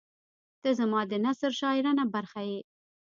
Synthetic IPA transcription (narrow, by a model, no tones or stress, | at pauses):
t̪əzamɑd̪ənasəɾʃɑɪɾanabaɾxaje